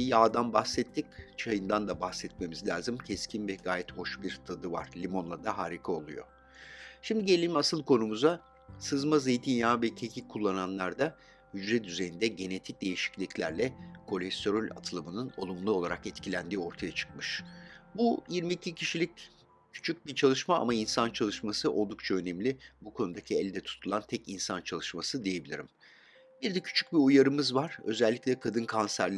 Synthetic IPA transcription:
jaːd̪anbaxsɛt̪ʰːic̚t͡ʃʰajɯnd̪and̪abaxsɛt̪̚me̞mizlʲaːzɯmcʰɛscʰinvɛɡaːjɛt̪ho̞ʃbiɾt̪ʰad̪ɯva̰ɾ̥lʲimo̞nlˠad̪aɦaːɾikʰao̞lˠujo̞̰ | ʃimd̪iɟe̞lʲilʲimasɯlˠkʰo̞numuza | sɯzmazejt̪ʰinjaːvɛcʰecʰʲikʰːulˠːananlˠaɾd̪a | hyd͡ʒɾɛd̪yze̞jind̪ɛɟe̞ne̞t̪ʰic̚d̪e̞jiʃi̥clʲiclʲæɾlʲɛkʰo̞lʲɛst̪ʰo̞ɾolʲa̰t̪ʰɯlˠɯmɯnɯno̞̰lˠumlˠuo̞lˠaɾakɛt̪cʰilʲænd̪iːo̞ɾt̪ʰajat͡ʃʰɯ̥k̚mɯʃbujiɾmiːcʰicʰiʃilʲic̚ | cʰy̥t͡ʃʰyc̚bit͡ʃʰalˠɯʃmaa̰mainsant͡ʃʰalˠɯʃmasɯʔo̞lˠd̪uk̚t͡ʃʰaønɛmlʲibukʰo̞nud̪acʰiɛlʲd̪ɛt̪ʰu̥t̪ʰulˠant̪ʰɛcinsant͡ʃʰalˠɯʃmasɯd̪ije̞bilʲḭɾim | biɾd̪ɛcʰy̥t͡ʃʰy̥c̚biujaɾɯmɯzvaɾ̥ø̞̰zɛlʲːiclʲɛkʰad̪ɯnkʰansæɾlʲ

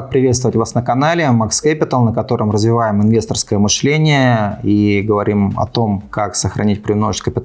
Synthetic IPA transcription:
k̪̚pɾʲɪvʲet̪st̪vəvətʲvasnəkɐnalʲɪmakskæpʲɪt̪əlˠnəkɐt̪o̞ɾʔəmrəzvʲɪvajɪmɨnvʲe̞st̪ərskəjəmɨʂlʲenʲɪjəiɡəvɐɾʲimɐ̰t̪o̞mkaksəxɾɐ̰nʲit̚ʲpɾʲɪvnoʐt̪ʲkəpʲɪt̪

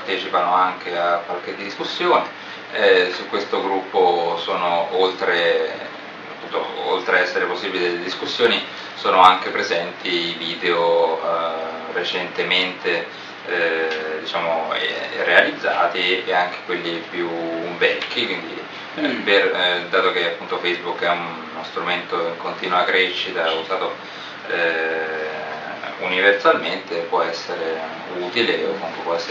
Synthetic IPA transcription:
prt̪ɛːt͡ʃipanoaŋkeakːwalk̟ed̪iskusːjoːne | sukːwest̪oɡɾupːosoːnoolt̪ɾe | apːunt̪o̰o̰lt̪ɾeɛsːeɾeposːiːbilid̪eeled̪iskusːjoːni | soːnoaŋk̟epɾezɛnt̪iiviːd̪eo | ret͡ʃent̪ement̪e | d̪it͡ʃaːmoḛrealid̪zːa̰ːt̪ieaŋk̟e̥kwelːipjubɛlk̟ikwind̪i | perd̪aːt̪ok̟eapːunt̪ofɛjzbukːɛun | nost̪ɾument̪oiŋkont̪iːnwakɾɛʃːit̪auzaːt̪o | ɛ | ṵniversalment̪epwɔɛsːeɾe | uːt̪ileo̰kːouŋkepwɔɛsː

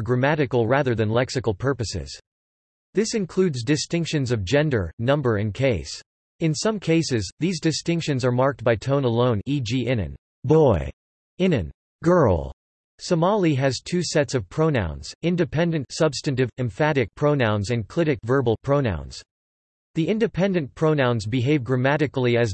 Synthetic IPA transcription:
ɡɹɨmæɾɨkl̩ˠɹæðə˞ðɨ̃nlɛksɨkl̩ˠpʰɜ˞pɨsɪ̰z̥ | ðɪsɨ̃nkʰl̥ʉdzdɨstɪ̃ŋkʃɨ̃nzʌvd͡ʒɛ̃ndə̰˞nʌ̃mbə˞ɨ̃nkʰeɪs | ɨ̃nsʌ̃mkʰeɪsɪzðizdɨstɪ̃ŋkʃɨ̃nzə˞mɑɹk̚t̚b̥aɪtʰõʊ̃nəlõʊ̃nid͡ʒiʔɪ̃nɨ̰̃n | bɔɪ | ɪ̃nɨ̰̃n | ɡ̥ɜ˞l̩ˠ | səmɑlˠiɨz̥tʰʉsɛtsʌv̥pʰɹ̥oʊnã̰ʊ̃nz̥ɪ̃ndɨpʰɛ̃ndɨ̃ntsʌbstɨ̃ntɨvɨ̃ɱfæɾɨk̚pʰɹ̥oʊnãʊ̃nzɨ̃nkʰl̥ɪɾɨkvɜ˞bl̩ˠpʰɹ̥oʊnã̰ʊ̃nz̥ | ðiʔɪ̃ndɨpʰɛ̃ndɨ̃npʰɹ̥oʊnãʊ̃nzbɨɦeɪvɡɹɨmæɾɨkl̩ˠiɨz

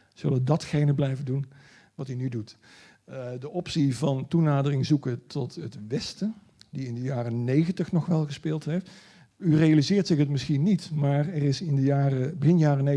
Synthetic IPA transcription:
z̥ɵləədɑtxejnəblɛjvəndun | ʋɑtynydut | dəʔɔpsivɑntunaːdərɪŋzukətʰɔtətʋɛstə | diɪndəjaːrənejɣəntəχnɔχʋɛlˠɣəspɪːlˠtɦejft | yrejalizɪːrtsɪxɦətmɪsχinitmaːrɛrɪsɪndəjaːrəbɪnjaːrəne

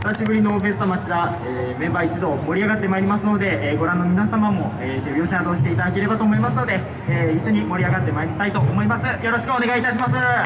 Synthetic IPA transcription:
ssaɕibɯ̟ɾʲino̞ɸe̞sɨ̥t̪o̞mat͡ɕid̪a | eː | mẽ̞mbaːit͡ɕid̪o̞mo̞ɾʲiaɡat̪ːe̞maeɾʲimasɨno̞d̪e̞ɡo̞ɾãnːo̞mʲinasamamo̞eːt̪e̞bʲjo̞ːɕad̪o̞ːɕi̥t̪e̞it̪ad̪akeɾe̞bat̪o̞ːmo̞imasɨno̞d̪e̞ː | iɕːo̞ɲ̟imo̞ɾʲiaɡat̪ːe̞maeɾʲit̪ait̪o̞ʔomo̞imasɨjo̞ɾo̞ɕi̥kɯ̟o̞ne̞ɡait̪aɕ̬imasɨ

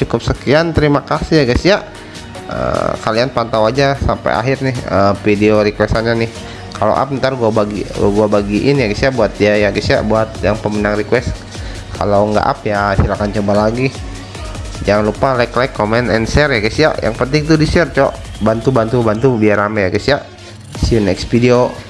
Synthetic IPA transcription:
t͡ʃukʊp̚səkiant̪əɾimakasihjaɡasiaʔ | ə̰kalianpant̪awad͡ʒasampa̰ja̰ɦɪrnɪhə̰fideoɾikwɛst̪anɲanɪh | kalo̰ʔa̰p̚nt̪arɡuabaɡiɡuabaɡiʔɪnjaɡasiaʔbuat̪̚diajaɡasia̰ʔbuat̪̚jaŋpəmənaŋrikwɛst̪ | kʰalawŋɡa̰ʔa̰pjasilakant͡ʃobalaɡi | d͡ʒaŋanlupalaklajkːomɛnɛnsɛrjaɡisia̰ʔja̰ŋpənt̪ɪŋt̪udisɛrt͡ʃɔ̰ʔbant̪ubant̪ubant̪ubiaɾamajaɡisiaʔ | siunɛkspidio

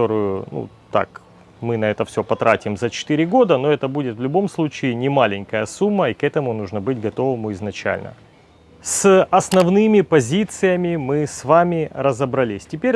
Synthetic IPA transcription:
t̪oɾɨjʊnṵ | t̪a̰k | mɨnɐɛt̪əfsʲo̞pɐt̪ɾatʲɪmzət͡ɕɪ̥t̪ɨɾʲɪɡo̞d̪əno̞ɛt̪əbudʲɪt̪vlʲʊbo̞mslˠut͡ɕɪːnʲɪmalʲɪnʲkəjəsumːəikɛt̪əmʊnuʐnəbɨtʲɡɐt̪o̞vɨmʊɪznɐt͡ɕæ̰lʲnə̰ | sɐsnɐvnɨmʲɪpɐzʲit̪sɨjəmʲɪmɨsvamʲɪrəzəbɾɐlʲisʲtʲɪpʲeɾʲ

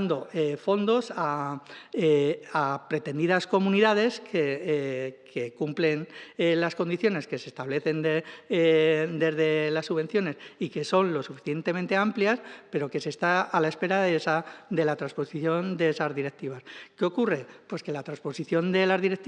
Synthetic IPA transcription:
nd̪o̞efo̞nd̪o̞sa | eapɾe̞t̪e̞nd̪iðasko̞mũniðað̞e̞skʰe | kʰe̞kumple̞nelasko̞nd̪iθjo̞ne̞ske̞se̞st̪aβle̞θe̞nd̪e | d̪e̞zðe̞lasːuβe̞nθjo̞ne̞sike̞so̞nlo̞sufi̥θje̞nt̪emẽnt̪e̞ampljaspe̞ɾo̞ke̞se̞st̪aalae̞spe̞ɾaðesad̪e̞lat̪ɾaspo̞siθjo̞nd̪e̞esazðiɾe̞k̚t̪iβ̞askeo̞kure̞pwe̞ske̞lat̪ɾanspo̞siθjo̞nd̪e̞lazðiɾek̚t̪

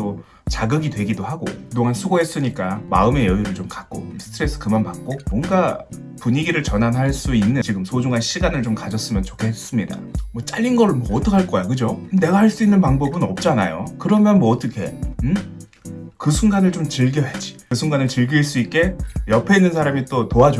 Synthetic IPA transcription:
o | t͡ɕaɡɯɡidwe̞ɡidohaɡo̰kɯdoŋɦansʰuɡoɦe̞s͈ɯɲik͈ama̰ɯme̞jʌiɾɯɭt͡ɕomkak̚k͈o̰sʰɯ̥tʰɯɾe̞s͈ʰɯ̥kɯmanpak̚k͈omʌŋɡa | puɲiɡiɾɯɭt͡ɕʌnanɦaɭs͈uinːɯnt͡ɕiɡɯmsʰod͡ʑuŋɦanɕʰiɡanɯɭt͡ɕomkad͡ʑʌs͈ɯmjʌnt͡ɕokʰe̞hes͈ɯmɲida̰mwʌt͡ɕ͈a̰ʎːinɡʌɾɯɭmwʌːt͈ʌkʰaɭk͈ʌajokɯd͡ʑone̞ɡahaɭs͈uinːɯnpaŋbʌbɯnʌp̚t͡ɕ͈ana̰jo̰kɯɾʌmjʌnmwʌːt͈ʌkʰe̞ɯ | kɯsʰuŋɡanɯɭt͡ɕomt͡ɕɯɭɡjʌɦed͡ʑi̥kɯsʰuŋɡanɯɭt͡ɕɯɭɡiiɭs͈uit̚k͈e̞jʌpʰeinːɯnsʰaɾamit͈otoad͡ʑo

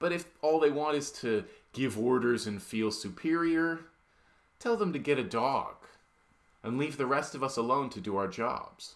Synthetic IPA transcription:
b̥ʌɾɨfɔlˠðeɪwɑ̃ntɨz̥tʰɨɡ̥ɪvɔɹɾə˞zɨ̃nfilˠsʉpʰɪɹiə˞ | tʰɛlˠðə̃mtɨɡɛɾɨdɔ̰ɡ̥ | ɨ̃nlivðɨɹɛstʌvʌsəlõʊ̃ntʰɨdɨaʊə˞d͡ʒɑ̰b̥z̥

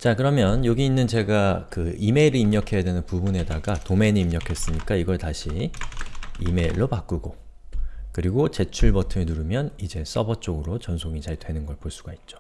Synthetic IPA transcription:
t͡ɕakɯɾʌmjʌnjoɡiinːɯnt͡ɕe̞ɡakɯime̞iɾɯimɲʌkʰe̞jadwe̞nɯnpubune̞daɡatome̞nɯimɲʌkʰe̞s͈ɯɲik͈aiɡʌɭtaɕʰi | ḭme̞iɭːopak͈uɡo | kɯɾiɡot͡ɕe̞t͡ɕʰuɭbʌtʰɯmenuɾɯmjʌnid͡ʑe̞s͈ʌbʌt͡ɕ͈oɡɯɾot͡ɕʌnsʰoŋit͡ɕaɭdwe̞nɯnɡʌɭpoɭs͈uɡ̥ait̚t͡ɕ͈o̥

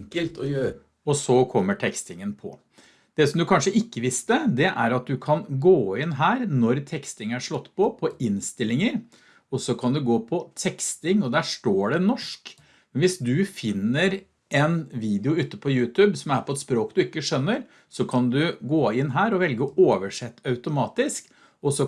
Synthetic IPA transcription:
kəlt̪ɔø | ɔsɔkʰɔmːəʈʰɛkst̪ɪŋənpʰɔ̰ | d̪̥ɛsɔmd̪ʉkʰɑnʂəʔɪkːəʋɪst̪əd̪ɛʔæɾɑt̪̚d̪ʉkʰɑnɡoːɪnɦæːɾnɔɾt̪ʰɛkst̪ɪŋæʂɭɔt̪ːpʰɔpʰɔɪnst̪ɪlːɪŋəɾ | ɔsɔkʰɑnd̪ʉɡoːpʰɔt̪ʰɛkst̪ɪŋɔd̪æːʂʈoːɖɛnɔʂk | mɛnʋɪsd̪ʉfɪnːəɾ | ɛnʋiːd̪ɪʊʉt̪ːəpʰɔjʉːt̪ʰʉːbsɔmæɾpʰɔɛt̪spɾoːkd̪ʉɪkːəʂœnːəɾ | sɔkʰɑnd̪ʉɡoːɪnːɦæːɾɔʋɛlɡəoːʋəʂɛt̪ːɑʉt̪ʊmɑːt̪ɪsk | ɔsɔ

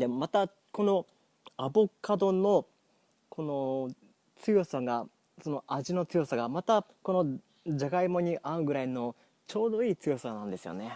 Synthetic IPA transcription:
d̪emat̪a | ko̞no̞ | abokad̪o̞no̞ | kʰo̞no̞ | t͡sɨjo̞saɡa | so̞no̞ʔaʑino̞t͡sɨjo̞saɡamat̪ako̞no̞ | d͡ʑaɡaimo̞ɲ̟iʔaɯ̟ɡɯ̟ɾaino̞ | t͡ɕo̞ːd̪o̞iːt͡sɨjo̞sanãnd̪e̞sɨjo̞̰ne̞

